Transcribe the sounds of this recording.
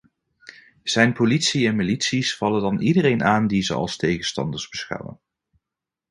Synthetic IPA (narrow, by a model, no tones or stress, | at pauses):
z̥ɛjnpolitsiɛnmilitsisfɑlədɑnidərejnʔaːndizə̰ɑ̰lˠstejχənstɑ̰ndəɹzbəsχa̰wə̰n